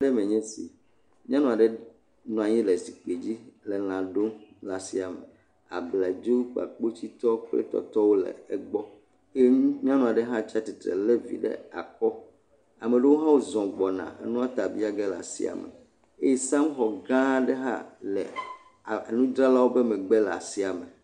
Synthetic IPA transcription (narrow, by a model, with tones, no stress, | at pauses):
ɖɛ˦mẽ˨ɲɛ̃˦sḭ˨ | mĩ˦ã˦nũ˦˨a˨ɖɛ˦ | nɔ̃˨a˨ɲĩ˦lɛ˨si˨k͡pe˨d͡ʑi˦lɛ˨l̃ã˨ɖo˦mla˨si˨a˨mɛ˨ | a̰˨bla˨d͡ʒo˦k͡pa̰˨k͡po˦t͡ɕi˦t̪ɔ˦ɸḛ˦t̪ɔ̰˦t̪ɔ˦wo˦lɛ̰˨ɛ˦ɡ͡bɔ˦ | e˦m̃˦ã˦nũ˨a˨ɖɛ˦ɦã˦t͡ʃa˦t̪i˨t̪ɾɛ̰˨le˦vḭ˨ɖɛ̰˦a̰˨kɔ˦ | a˨mɛ˨ɖe˦wo˦ɦã˦wo˦zɔ̃˨ɡ͡bɔ˨nã̰˨nũ˦a˦t̪a˨bi˦a˦ɡɛ˦la̰˨sḭ˦a̰˨mɛ̰˨ | e˦ji˦sã˦mxɔ˨ɡã˦ɖɛ˦ɦã̰˦lɛ̰˨ | e˨nũ˦d̪ɾa˦la˦wo˦bɛ˦mɛ̃˨ɡ͡bɛ˦la̰˨si˦a˨mɛ˨